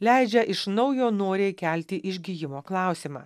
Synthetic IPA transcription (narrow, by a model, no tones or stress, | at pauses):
lʲæɪd͡ʒʲɛʔɪʃnɒʊjoːnoːɾʲeːkʲælʲt̪ʲɪʔɪʒʲɡʲijɪmoːklˠɑˑʊsʲimɑ̰ː